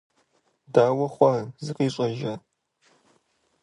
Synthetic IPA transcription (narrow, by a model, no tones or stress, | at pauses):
daːwɐχʷɔzɨqiːɕʼɐʒɐ